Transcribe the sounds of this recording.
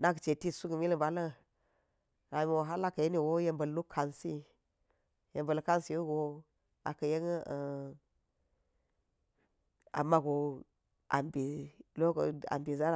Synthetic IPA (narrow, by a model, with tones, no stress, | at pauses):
na˦ɡə˨t͡ʃe˨ti˦su˦ɡə˨mi˦lə˨ba˨lə˦ | ɾa˨mi˨wo˨ɦa˦la˦kə˨je˦ni˦˨wo˦je˦mbə˨llu˦kʰa˨nsi˦ | je˨mbə˨lka˦nsi˨ju˦ɡo˨ | a̰˨kə˨je˦ŋ˦ə˨ | a̰˨mːa˦ɡo˨ | a̰˨mbi˨lo˦ko̰˨a̰˨mbi˨za˦ɾa˨